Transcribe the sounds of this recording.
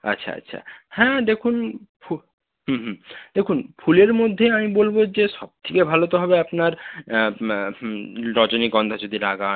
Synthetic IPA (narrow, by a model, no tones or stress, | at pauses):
a̰tːɕʰa̰a̰tːɕʰʃʰa̰hɛ̃d̪ekʰunpʰu | ɦːɦd̪ekʰunfʰuleɾmod̪ʱːeamibolbod͡ʑeʃɔb̚t̪ʰikebʱalot̪oɦɔbeapnaɾ | ɾɔd͡ʑonikɔnd̪ʱad͡ʑod̪ʱilaɡa